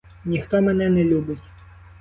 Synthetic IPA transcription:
nʲixt̪ɔmɛnɛnɛlʲubɪtʲ

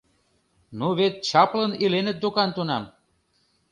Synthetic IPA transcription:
nuβet̪̚t͡ɕɑplənilenə̆t̪̚d̪ukɑnt̪unɑm

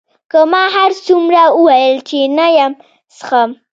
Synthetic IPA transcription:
kamaɦaɾsʊmɾauwaɪlt͡ʃinajam | sχɑm

